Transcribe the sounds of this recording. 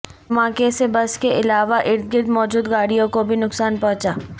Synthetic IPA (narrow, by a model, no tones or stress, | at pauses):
mãːkesebɐskeʔɪlaːʋaʔɪɾt̪̚ʰɡɪɾd̪mɔːd͡ʒuːd̪ɡaːɽijõkobʱinʊksaːnpɔ̃ɦt͡ʃaː